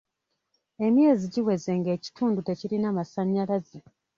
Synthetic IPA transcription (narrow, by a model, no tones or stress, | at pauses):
e̞mje̞ːziɟiwe̞ze̞ŋɡe̞ːci̥tʰuːndute̞ciɾinamasaɲːalaze